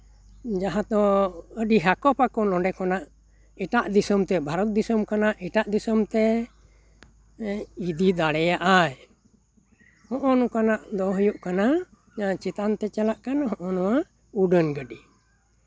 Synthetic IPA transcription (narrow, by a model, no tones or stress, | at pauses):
d͡ʒaɦãt̪ɔəɖiɦakɔpakɔnɔ̃ɖɛkɔnaʔ | ɛʈaʔd̪isəmt̪ɛbʱaɾɔt̪̚d̪isəmkanaʔɛʈaʔd̪isəmt̪ɛ | id̪id̪aɽɛjaʔaj | hɔ̃ʔɔnɔkanaʔd̪ɔɦujuʔkana | d͡ʒaɦãt͡ʃit̪ant̪ɛt͡ʃalaʔkanɦɔ̃ʔɔnɔwa | uɖənɡəɖi